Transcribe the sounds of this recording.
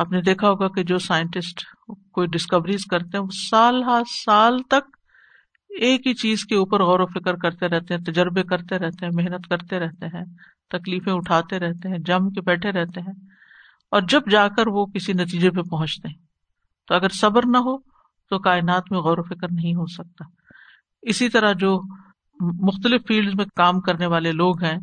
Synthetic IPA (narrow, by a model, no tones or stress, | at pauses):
aːpned̪eːkʰaɦoːɡaked͡ʒoːsaːɪə̃ɳʈɪsʈkoːiɖɪskɐʋɾizkɐɾt̪eɦɛ̃ʋosaːlɦasaːlt̪ɐk̚ | eːkɦit͡ʃiːzkeuːpəɾɣɔːɾofɪkəɾkɐɾt̪eɾɛɦt̪eɦɛ̃t̪ɐd͡ʒəɾbekɐɾt̪eɾɛɦt̪eɦɛ̃mɪɦnət̪kɐɾt̪eɾɛɦt̪eɦɛ̃ː | t̪ɐkliːfẽʊʈʰaːt̪eɾɛɦt̪eɦɛ̃d͡ʒɐ̃mkebɛːʈʰeɾɛɦt̪eɦɛ̃ː | ɔːɾd͡ʒɐbd͡ʒaːkəɾʋokɪsinɐt̪̬iːd͡ʒep̬epɐɦʊ̃t͡ʃt̪eɦɛ̃ | t̪oɐɡəɾsɐbəɾnɐɦo | t̪okaːɪnaːt̪mẽɣɔːɾofɪkəɾnɐɦĩɦosɐk̚t̪aː | ɪsit̪ɐɾad͡ʒoː | mʊxt̪əlɪfːiːlɖzmẽkaːmkɐɾneʋaːleloːɡɦɛ̃ː